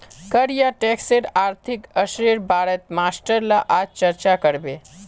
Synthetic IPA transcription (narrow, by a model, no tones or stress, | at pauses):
kəɾjaʈekseɾaːɾt̪ʰikəʃɾiɾbaːɽət̪maːsʈəɾlaʔad͡ʒt͡ʃəɾt͡ʃakəɾbe